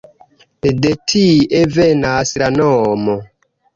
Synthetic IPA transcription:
detʰiʔevɛnaslanɔmo

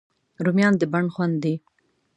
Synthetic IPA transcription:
ɾumjɑnd̪əbaɳxwand̪ːi

